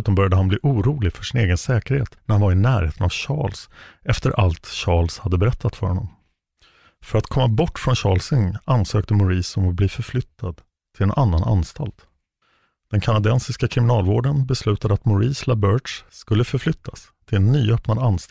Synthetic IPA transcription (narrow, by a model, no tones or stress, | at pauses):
ʉːt̪anbœɾjad̪əhanbliːʔuːɾuːlɪfœʂɪneːɡənsɛːkəɾhḛːt̪næɾhanvaɾɪnæːɾhḛːt̪ənavɕɑ̰ːlsɛft̪əɾʔalt̪ɕɑːɭshad̪ːəbɛɾɛt̪ʰːat̪fœɾhɔnːɔ̰m | fœɾat̪kʰɔmːabɔʈːfɾɔnɕɑːlsɵŋansøːk̚t̪əmʊɾiːsɔmɔbliːfœɾflʏt̪ʰːad̪ | t̪ʰɪlɛnʔanːana̰nst̪alt̪ | d̪̥ɛnkʰanad̪ɛnsɪskakʰɾɪmɪnɑːlvoːɖənbɛslʉ̟ːt̪ad̪əat̪mʊɾiːslabœʂskɵlːəfœɾflʏt̪ʰːas | t̪ʰɪlɛnːyːœpnad̪anːs